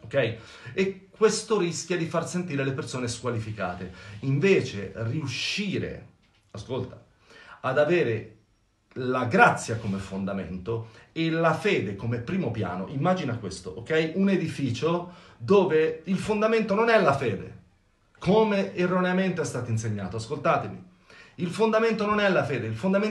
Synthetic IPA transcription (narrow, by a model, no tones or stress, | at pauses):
okːɛj | ekːwest̪oɾisk̟jad̪ifarsent̪iːɾelepersoːneskwalifika̰ːt̪eiɱveːt͡ʃḛriuʃːiːɾḛ | askolt̪a | ad̪aveːɾe | laɡɾat̪sːjakomefond̪amḛnt̪oelafeːd̪ekomepɾiːmopja̰ːno̰ʔimːaːd͡ʒinakwest̪oʔok̟ɛjuned̪ifiːt͡ʃo | d̪oːveilfond̪ament̪ononɛlafeːd̪ḛ | kʰomeːrːoneament̪eɛst̪aːt̪oins̬eɲːaːt̪oaskolt̪aːt̪emḭ | ilfond̪ament̪ononɛlːafeːd̪eilfond̪ame